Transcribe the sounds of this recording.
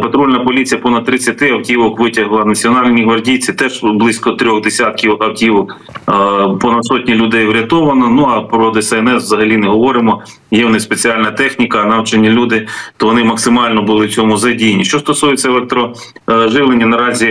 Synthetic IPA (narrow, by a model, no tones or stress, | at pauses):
pɐt̪ɾulʲnɐpɔlʲit͡sʲijɐpɔnɐd̪̚t̪ːɾɪt͡sʲːɐt̪ɪɐwtʲiʋɔkʋɪtʲɐɦlˠɐnɐt͡sʲiɔnɑlʲnʲiɦʋɐrdʲiwt͡sʲit̪ɛʒblˠɪsʲkɔt̪ɾʲɔxd̪esʲat̪̚kʲiʋɔkɐwtʲiʋɔk | pɔnɐd̪sɔtʲnʲilʲʊd̪ɛjwɾʲɐt̪ɔʋɐnɐnuɐpɾɔd̪ɛsɛɛnɛswzɐɦɐlʲinɛɦɔʋɔɾɪmɔ | jɛwnɪspet͡sʲiɑlʲnɐt̪ɛxnʲikɐnɑwt͡ʃɐnʲːilʲud̪ɪt̪ɔʋɔnɪmɐksɪmɑlʲnɔbʊlˠɪwt͡sʲɔmʊzɐdʲijnʲːiʃt͡ʃɔst̪ɔsujet͡sʲːɐlˠɛk̚t̪ɾɔ | ʒɪʋlˠenʲːɐnɐɾɑzʲi